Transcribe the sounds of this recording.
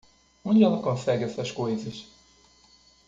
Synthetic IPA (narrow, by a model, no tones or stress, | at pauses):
õnd̪ɛlˠɐkõnsɛɡɛsɐʃkojzɐʃ